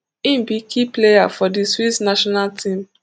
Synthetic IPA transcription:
ĩmbikʰipleja̰fɔdiswitsnaʃɔnaltʰĩm

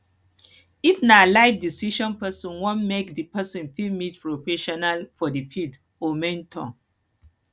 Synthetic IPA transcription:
ifnalaɪfdisiʃɔ̃npɛsɔ̃nwɔ̃nmekdipɛsɔ̃nfilmitpɹofɛʃɔnalfɔdifid | omɛ̃ntʰɔ̰̃

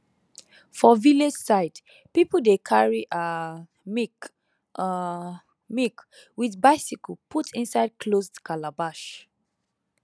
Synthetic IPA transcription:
fɔviled͡ʒsaɪd | pipədekʰaɹiʔa | m | mik | wiðbaɪsikɔlpʰutʰĩnsaɪd̚kʰlosdkʰalabaʃ

